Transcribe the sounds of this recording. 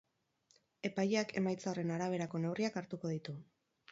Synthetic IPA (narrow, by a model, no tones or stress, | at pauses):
e̞pajeakʰe̞majt͡saore̞naɾaβ̞e̞ɾako̞ne̞wriakaɾt̪uko̞ð̞it̪u